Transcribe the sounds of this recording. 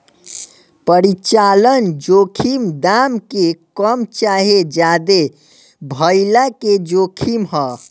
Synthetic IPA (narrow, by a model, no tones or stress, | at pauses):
pəɾit͡ʃalənd͡ʒokʰimd̪amkekəmt͡ʃaɦed͡ʒad̪e | bʱəɪlaked͡ʒokʰimɦə